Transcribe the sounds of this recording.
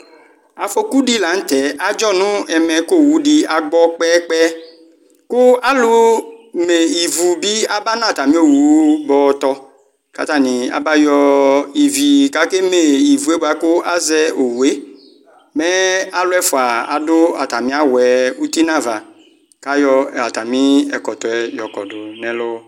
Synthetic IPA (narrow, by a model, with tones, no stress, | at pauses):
a˨fo˦ku˦di˦la˨˦n̩˦t̪ɛ˨˦ʔa˨d͡ʒɔ˦nʊ̃˦ɛ˨mɛ˨ko˦˨wu˨˦di˦a˨ɡ͡bɔ˦k͡pɛ˦k͡pɛ˦ | kʊ˦a˦lʊ˦me˨i˨vu˨bi˦a˦ba˦nã˦˨t̪a˨mĩ˦o˦wu˨˦bɔ˨˦t̪ɔ˦ | ka̰˨t̪a˦˨nɪ̃˨a̰˨ba˦jɔ˦i˨vi˨ka˨ke˦me˨i˨vu˨e˦bo˨a˦kʊ˦ʔa˦zɛ˦ʔo˨wu˨e˦ | mɛ˦a˨lʊ˦ɛ˦fʊ˨a˨a̰˨dʊ˦a̰˨ta˨mĩ˦a˦wɛ˨u˦ti˦nã˦va˨ | ka˦jɔ˧˨a˨ta˨mĩ˦ɛ˨kɔ˨tɔ˨ɛ˨jɔ˨kɔ̰˨dʊ˨nɛ˨˦lo˦